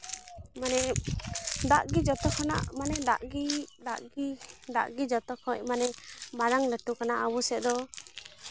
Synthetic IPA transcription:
manɛ | d̪aʔɡid͡ʒɔt̪ɔkʰɔna̰ʔmanɛd̪aʔɡid̪aʔɡid̪a̰ʔɡid͡ʒɔt̪ɔkʰɔc̚manɛbaɾaŋləʈukanaʔawusɛʔ̚d̪ɔ

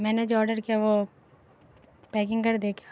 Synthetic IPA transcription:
mɛ̃ːned͡ʒoɔːɾɖəɾkiaʋo | pɛːk̬ɪ̃ŋɡkɐɾd̪eːkʰijḁː

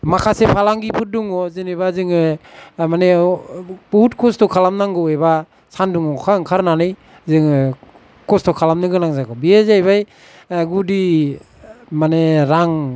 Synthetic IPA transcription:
makʰasepʰalaŋɡipʰɯduŋɔzɯnebazɯŋɯmane | pɔut̚kʰɔstɔkʰalamnaŋɡɯeba | sanduŋɔkʰaŋkʰaɾnanɯj | zɯŋɯ | kʰɔstʰɔkʰalamnɯɡɯnaŋzakʰɔbiezajbaj | ɡudi | maneɾaŋ

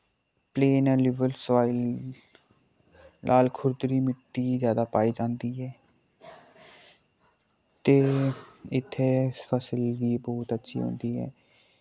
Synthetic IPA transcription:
pleːnɛ̃ːlɪʋəlsʋaːil | nʔaːlkʰʊɾd̪ɾiːmɪʈːiːzjaːd̪aːpaːiːd͡ʒãːnd̪iːɦɛː | t̪eːɪt̪ʰːeːfʰəsɪlʈiːbɔːt̪ətːʃʰḭːɦõ̰ːnd̪iːɦɛ̰ː

